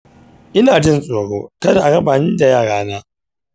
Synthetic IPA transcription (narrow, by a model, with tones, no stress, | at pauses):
ʔɪ˦naː˨d͡ʒɪ˦nsʼoː˨ɽoː˦kɐ˦da˨ʔa˨ɽɐ˦baː˨nɪ˦nda˨jaː˦˨ɽaː˦naː˦